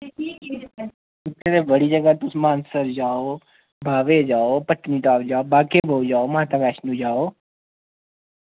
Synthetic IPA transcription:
t̪ʰːeɾeːbəɽiːd͡ʒəɡaːt̪ʊsmaːnsəɾd͡ʒaːoː | bʱaːʋeːd͡ʒaːoːpəʈniːʈaːʋd͡ʒaːoːbaːkeːbʱoːd͡ʒaːoːmaːt̪aːʋɛːt͡ʃnũːd͡ʒaːoː

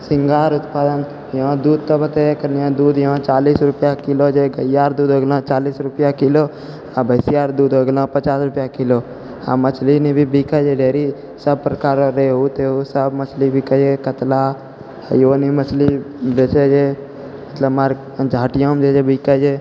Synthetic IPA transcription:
sɪŋɡaːɾʊt̪paːd̪ən | jɐɦãd̪uːd̪̚t̪obət̪eekəɾnijãd̪uːd̪jəɦãt͡ʃaːliːsɾʊpjakilod͡ʒeɡəjːaːɾd̪uːd̪ɦoːɡlãt͡ʃaːliːsɾʊpjakiloː | abəɪsijaːɾd̪uːd̪ɦoɡlãpət͡ʃaːsɾʊpjakilo | a̰mət͡ʃʰlinibʱibikəd͡ʒeɖʱeːɾi | səb̚pɾəkaːɾɾeːɦut̪eɦusəbmət͡ʃʰlibʱikəd͡ʒekət̪la̰ | joːnimət͡ʃli | bet͡ʃed͡ʒe | mət̪ləbmaɾ | d͡ʒʱaːʈjãmd͡ʒed͡ʒebiːkəd͡ʒe

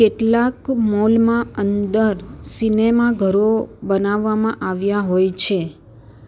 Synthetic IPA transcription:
keʈlakmɔlmãənd̪əɾsinemaɡʱəɾobənaʋːamãʔaʋjaɦojt͡ʃʰe

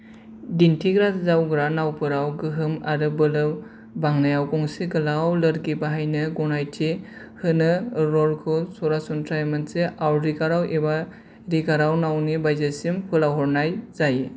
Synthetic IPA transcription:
dintʰiɡɾazawɡɾanawpɯɾawɡɯɦɯmaɾɯbɯlɯ | baŋnajawkɔŋseɡɯlawlɯɾɡibaɦajnɯɡɔnajtʰe | hɯnɯɾɔlkʰɔsɔɾasɔntʰɾajmɯnseawɾikaɾawʔeba | ɾiɡaɾawnawnibajzasimpʰɯlawɦɔɾnajzaje

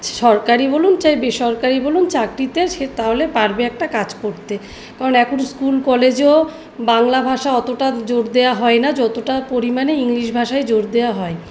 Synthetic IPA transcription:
ʃɔɾkaɾibolunt͡ɕajbeʃɔɾkaɾibolunt͡ɕakɾit̪eɾʃet̪aɦolepaɾbeɛk̚ʈakad͡ʑkoɾt̪e | kaɾonɛkunskulkɔled͡ʑo | baŋlabʱaʃaɔt̪oʈad͡ʑoɾd̪eaɦɔenad͡ʑɔt̪oʈapoɾimaneiŋliʃbʱaʃaed͡ʑoɾd̪eaɦɔe

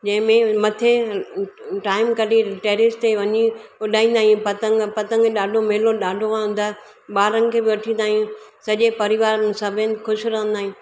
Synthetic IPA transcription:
d͡ʑɐ̃ɦɪ̃mẽmɐt̪ʰe | ʈaːɪmkɐɖiʈeːɾɪst̪eʋɐɲiʊɗaːĩːn̆d̪aːijũpɐt̪ə̃ŋɡpɐt̪ə̃ŋɡɗaːɖʱomeloɗaːɖʱoãɦʊ̃n̆d̪aː | ɓaːɾɐ̃ŋɡkʰeːbɪʋɐʈʰĩːn̆d̪aːɦijũsɐʄepɐɾɪʋaːɾnɪsɐbʱɪnxʊʃɾɐɦə̃n̆d̪aːɦĩj̃

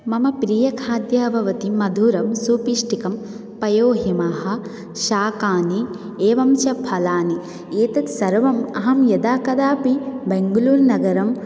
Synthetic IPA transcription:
mɐmɐpɾiːjɐkʰaːd̪jɐbʱɐʋɐt̪imɐd̪ʱuːɾɐmsuːpiːʂʈikɐm | pɐjoːɦimaːɦɐ̆ | ʃaːkaːni | eːʋɐmt͡ʃɐpʰɐlaːni | eːt̪ɐt̪sɐɾʋɐmɐɦɐmjɐd̪aːkɐd̪aːpibeŋɡuluːɾnɐɡɐɾɐm

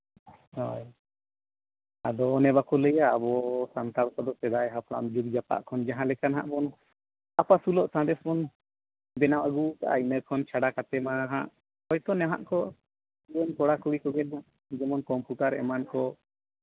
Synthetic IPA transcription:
hɔj | ad̪ɔnɛbakɔləjaːbɔsant̪aɾkɔd̪ɔsɛd̪ajɦapʰɽa̰md͡ʒuk̚d͡ʒapa̰ʔkʰɔnd͡ʒaɦãlɛkanɦa̰ʔmɔn | apasulɔʔsãd̪ɛsmɔn | bɛnamaɡuka̰ʔa̰inəkʰɔnt͡ʃʰaɽakat̪ɛmaɦã̰ʔ | ɔjt̪ɔnɛɦã̰ʔkɔ | ənkɔɽakuɽikɔɡɛnɦaʔ | d͡ʒɛmɔnkɔmpuʈaɾɛ̰mankɔ

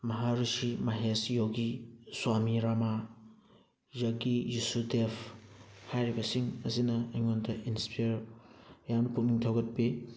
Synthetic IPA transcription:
mɐɦaɾusimaɦesjoɡiswamiɾama | jɐɡijusudepʰhajɾibɐsiŋɐsinɐeŋondɐʔinspijɾjamnɐpuk̚niŋtʰɐwɡɐt̚bi

